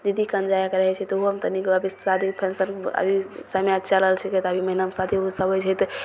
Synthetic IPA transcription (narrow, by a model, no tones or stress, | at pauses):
d͡ʒid̪ʱikənd͡ʒajakeɾəɦɛt͡ʃʰɛt̪ɦoɦəmt̪ənikəbʱisad̪ʱipʰensənə̰bʱisəmjat͡ʃʰaləɦəlt͡ʃʰikɛt̪əbʱiməɦinəmsat̪ʰiusəbət͡ʃʰɛt̪